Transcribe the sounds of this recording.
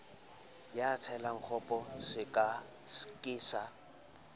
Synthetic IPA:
jat͡sʰɛlaŋ̩k͡xʰɔpʼɔsɪkʼa | skʼɪːsa

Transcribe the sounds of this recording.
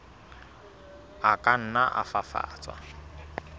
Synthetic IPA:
akʼan̩naʔa̰fafa̰ːt͡sʼwa̰

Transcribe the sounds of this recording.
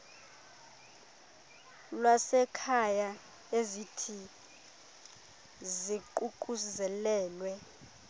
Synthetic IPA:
lwasɛkʰaja | ezitʰi | ziǃuk̬ʼuzɛlɛːlwɛ

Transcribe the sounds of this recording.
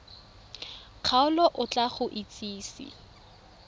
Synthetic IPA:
q͡χʰaʊlɔʔʊt͡ɬʼaχʊʔit͡sʼiːsḭ

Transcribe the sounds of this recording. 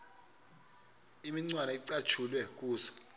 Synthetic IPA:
imiŋ͡ǀwanaiǀat͡ʃʰulwɛk̬ʼuːsḁ

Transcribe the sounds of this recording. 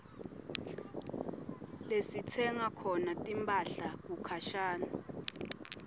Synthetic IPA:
lesitʰɛŋakʰɔnatʼimpʰʼaɬak̬ukʰaʃaːna

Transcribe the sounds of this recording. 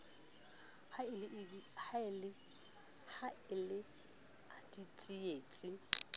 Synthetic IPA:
haɪlɪhaɪlɪ | haɪlɪ | adit͡sʼɪeːt͡sʼɪ

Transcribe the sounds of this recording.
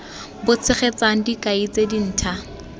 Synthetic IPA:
bʊt͡sʰɪχet͡saŋ̩dikʼait͡sedin̩ːtʰa

